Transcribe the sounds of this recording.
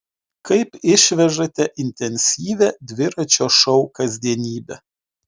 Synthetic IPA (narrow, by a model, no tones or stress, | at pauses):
kɐɪpɪʃʲʋʲɛʒɐt̪ʲɛʔɪnʲt̪ʲɛnʲsʲiːʋʲɛd̪ʲʋʲɪɾɐt͡ʃʲoːʃɐʊkɐzʲd̪ʲiɛnʲiːbʲɛ